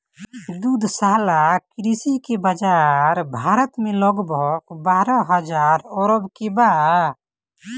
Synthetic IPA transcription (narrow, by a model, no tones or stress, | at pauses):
d̪ud̪ʱsaːɦlakɾisikebəd͡ʒaɾbʱaːɾət̪mẽlɔɡbɔkbaːɾɔ̃ɦəd͡ʒaːɾɔːɾəbkebaː